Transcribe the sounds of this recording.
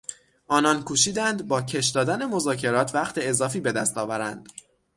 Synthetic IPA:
ʔɒːnɒnkʰuːʃiːd̪ænd̪bɒːcʰe̞ʃd̪ɒːd̪æne̞mo̞zɒːcʰe̞ɾɒːt̪ʰvæχt̪ʰe̞ezɒːfiːbe̞d̪æst̪ɒːvæɾænd̪̥

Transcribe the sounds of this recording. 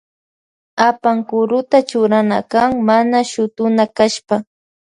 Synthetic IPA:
apaŋkʊɾʊt̪at͡ʃʊɾana̰kaŋmanaʃʊt̪ʊnakaʃpa

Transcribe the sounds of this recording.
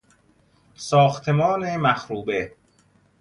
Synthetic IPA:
sɒːxt̪ʰe̞mɒːnemæxɾuːbe

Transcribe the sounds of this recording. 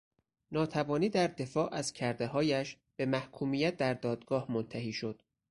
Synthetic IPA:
nɒːt̪ʰævɒːniːd̪æɾd̪e̞fɒːʔæzcʰæɾd̪eɦɒːjæʃ | b̥e̞mæhkʰuːmijæt̪̚d̪æɾd̪ɒːd̪ɡɒːhmont̪ʰæhiːʃo̞d̪̥

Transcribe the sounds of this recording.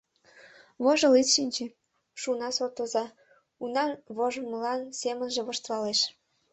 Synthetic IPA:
βoʒəlit̪ʃinʲt͡ɕĕ | ʃunɑsot̪ozɑ | unɑβoʒəmlɑnsemənʒĕβoʃt̪lɑleʃ

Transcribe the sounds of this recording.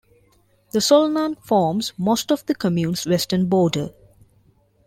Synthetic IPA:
d̪̥əsɔlnãnfɔːmzmoːsʈɔʋd̪əkəmjũːnsʋɛsʈənbɔːɖə

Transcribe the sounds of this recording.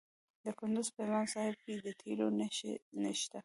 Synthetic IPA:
d̪əkʊnd̪ʊzpəmɑnsɑhɪb̚ked̪ət̪ʰelonnəʃt̪a

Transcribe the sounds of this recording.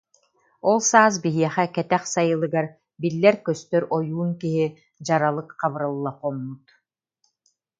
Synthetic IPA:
ɔlˠsaːs̬biɦiɛχɛkɛt̪ɛχsajɯlˠɯɡaɾ | bilːɛɾkœst̪œɾɔjuːnkiɦi | d͡ʑaɾalˠɯkqɑβɯɾalˠːaqɔmːut̪

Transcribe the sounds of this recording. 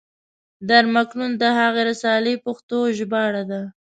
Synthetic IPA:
d̪aɾmaknund̪əhaɣeɾasɑlepaxt̪oʒbɑɽad̪a

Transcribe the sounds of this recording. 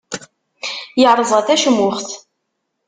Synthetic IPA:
jəʕɾˤəzˤʁæθæʃəmːʊχθ

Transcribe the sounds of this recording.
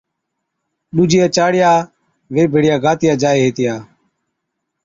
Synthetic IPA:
ɗuːd͡ʒɪjaːt͡ʃaːɽɪjaː | ʋeːbʱeːɽɪjaːɡaːt̪ɪjaːd͡ʒaːeːɦeːt̪ɪjaː

